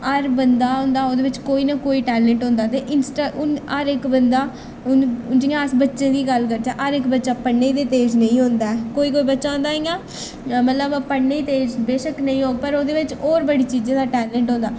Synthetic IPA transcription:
əɾbənd̪aːɦʊ̃ːnd̪aːoːd̪eːʋɪt͡ʃkoːiːnakoːiːʈɛːlɛ̃ːɳʈɦõːnd̪aːt̪eːʔɪnsʈaːʔʊnəɾɪkbənd̪aː | ʊnʊnd͡ʒiːãəsbətːʃẽːd̪iːɡəlkəɾd͡ʒaːʔəɾɪkbətːʃaːpəɳːed̪eːt̪eːd͡ʒnəĩːɦõnd̪aːɛkoːiːkoːiːbətːʃaːʊ̃nd̪aːeːɡaː | mət̪ləbpəɳːeːt̪eːd͡ʒbeːʃəknəĩːɦoːpəɾoːd̪eːʋɪt͡ʃɔːɾbəɽiːt͡ʃiːd͡ʒẽːd̪aːʈɛːlɛ̃ɳʈɦõːnd̪aː

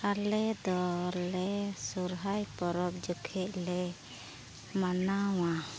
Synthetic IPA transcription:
kalɛd̪ɔɾlɛsuɾɦajpɔɾɔp̚d͡ʒəkʰɛʔlɛ | manaw̃a

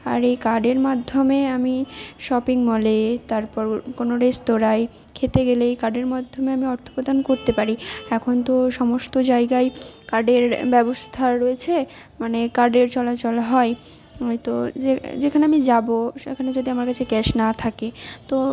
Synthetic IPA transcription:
a̰ɾejkaɖeɾmad̪ʱːomeamiʃɔpiŋmɔlet̪aɾpɔɾkonoɾest̪oɾae | kʰet̪eɡelejkaɾɖeɾmad̪ʱːomeamiɔɾt̪ʰo̥pɾod̪ankoɾt̪epaɾiɛkʰont̪oʃɔmost̪od͡ʑaeɡaekaɾɖeɾbɛbost̪ʰaɾoet͡ɕʰe | manekaɾɖeɾt͡ɕɔlat͡ɕolɦɔe | ojt̪od͡ʑed͡ʑekʰaneamid͡ʑaboʃḛkʰaned͡ʑod̪iamaɾkat͡ɕʰekɛʃnat̪ʰaket̪o

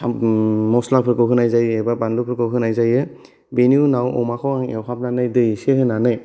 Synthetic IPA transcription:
mɔslapʰɯkɯwɦɯnajzajebabandupʰɯɾkɯwɦɯnajzajɯ | benunawɔ̰makʰɔwaŋewkʰap̚nanɯjdɯjsehɯnanɯj

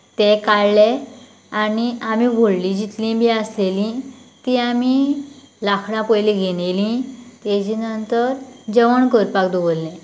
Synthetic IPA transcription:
t̪ekaɭle | añiamibʱoɭlĩd͡ʑit̪lĩbʱiaslelĩt̪iami | lakʰɽ̃ãpəjlĩɡʱeñelĩt̪ed͡ʑinənt̪əɾd͡ʑəʋəɳkəɾpakd̪oʋəlːɛ̃

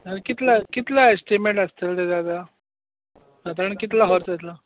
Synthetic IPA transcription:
əɾkit̪lakit̪laesʈimẽɳʈəst̪eld̪ed̪ad̪ʱa | at̪apːəɳkit̪laɦɔɾt͡sjt̪la

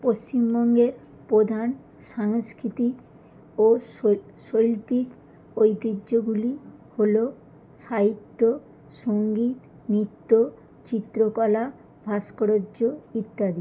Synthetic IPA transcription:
poʃt͡ɕimbɔŋɡeɾ | pɾod̪ʱan | ʃaŋskɾit̪ik | o | ʃojlpik | ojt̪id͡ʑːoɡuliholo | ʃait̪ːo | ʃoŋɡit̪ | mit̪ːo | t͡ɕit̪ːɾokɔla | bʱaskoɾooit̪ːad̪i

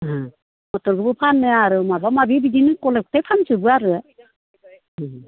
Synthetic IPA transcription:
ɦa | mɔtɔɾɡɯbɯpʰanːɯaɾɯmabamabibidinɯkɔlek̚tajpʰansɯbɯaɾɯa

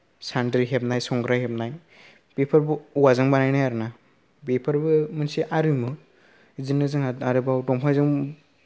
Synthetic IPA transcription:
sandɾiɦep̚najsɔŋɡɾajhep̚naj | pepʰaɾbɯuwazɯŋbanajnajaɾɯna | bepʰaɾbɯmɯnsiʔaɾɯmɯ | zɯnɯzɯŋaaɾɯbawdɔmpʰajzɯŋ

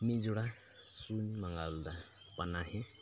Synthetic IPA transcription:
mizuɽa | sunimaŋɡald̪a | panaɦe

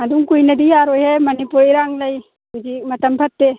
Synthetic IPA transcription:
aduŋkujnɐdijaɾojhemɐnipuɾiɾaŋlɐj | hud͡ʒik̚mɐtɐmpʰɐtːe

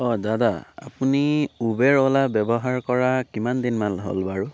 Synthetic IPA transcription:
ɔdadaa̰puniubɛɹɔlabɛbɔɦaɹkɔɹakimandinmalɦo̰lbaɹu

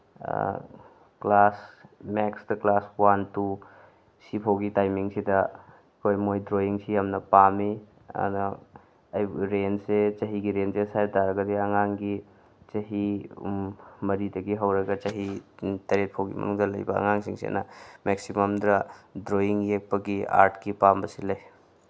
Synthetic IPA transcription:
klasmeksdɐklaswantu | sipʰawɡitajmiŋsidɐ | kʰojmojdɾoiŋsiamnɐpami | ɐ̰nː | jɾenset͡ʃɐɦiɡiɾensesaj̚daɾɐɡɐdiɐŋaŋɡi | t͡ʃɐɦi | mɐɾidɐɡiɦɐwɾɐɡɐt͡ʃɐɦitɐɾet̚pʰawɡḭmɐ̰nuŋdɐlɐjbɐɐ̰ŋaŋsiŋsḛnɐmeksimɐmd̪ɾadɾoiŋjek̚pɐɡia̰ɾtʰkipambɐsilɐj

